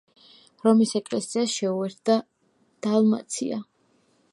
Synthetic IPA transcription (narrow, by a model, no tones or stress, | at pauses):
ɾɔmisɛkʼlɛsiasʃɛuɛɾt̪̚ʰd̪a | d̪̥alma̰t̪sʰḭa̰